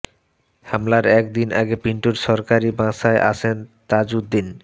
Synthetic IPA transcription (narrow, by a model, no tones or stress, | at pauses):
hamlaɾɛk̚d̪inʔaɡepiɳʈuɾʃɔɾkaɾibãʃaeʔa̰ʃʰent̪ad͡ʑud̪ːin